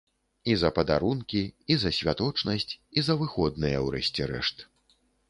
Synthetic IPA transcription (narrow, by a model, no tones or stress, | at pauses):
izɐpɐd̪aɾunkʲiizɐsʲvʲat̪ɔt͡ʂnɐsʲt͡sʲizɐvɨxɔd̪nɨjɐwɾɛ̰sʲt͡sʲɛɾɛ̰ʂt̪